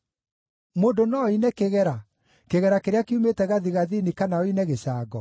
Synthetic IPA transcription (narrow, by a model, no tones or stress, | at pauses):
moːndonɔinɛkeɣɛɾa | keɣɛɾakeɾeakeumetɛɣaðiɣaðinikanaoinɛɣeɕaːɡɔ